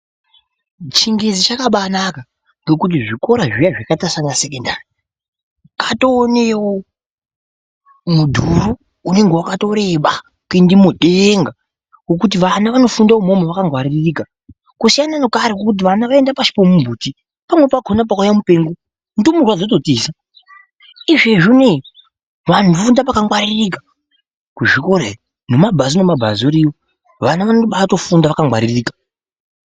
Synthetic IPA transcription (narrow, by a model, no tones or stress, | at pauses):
t͡ʃiŋɡezit͡ʃakaɓanaka | ŋɡe̞kut̬iʐiko̞ɾaʐijaʐakatasanasekendaːri | kato̞ːnewo | mudʱuɾuː | ne̞ŋɡewakato̞ɾe̞ɓa | kuindimuɗeŋɡa | kok̬ut̬iʋanaʋano̞fundaomo̞maʋakaŋɡwarirriːka | kusijanano̞kaɾekokut̬iʋanaʋae̞ndapaʃi̥pomumbʱuːti | pamwe̞paɡʱonap̬akujamupe̞ːŋɡo | ndomurwad͡zoto̞tiːsa | iʐeʐune | ʋan̤ufundapakaŋwaɾirika | kuʐikoɾe | no̞mabʱazonomabʱazoɾijo | ʋanaʋanoɓato̞fundaʋakaŋɡwaɾiriːkḁ